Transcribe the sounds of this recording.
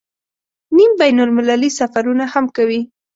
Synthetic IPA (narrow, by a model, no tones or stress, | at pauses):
nimbajnʊlmɪlalisafaɾunahamkawi